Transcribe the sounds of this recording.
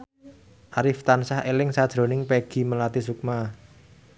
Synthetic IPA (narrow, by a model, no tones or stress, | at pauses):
ʔaɾɪft̪ansahelɪŋsad̥ʒ̥ɾo̤nɪŋpeɡ̥i̤məlat̪isuk̚ma